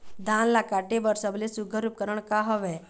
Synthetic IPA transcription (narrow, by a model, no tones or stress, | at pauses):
d̪ʱaːnlakaʈebəɾsəblesuɡʱəɾup̚kəɾəɽ̃kaɦɔʋe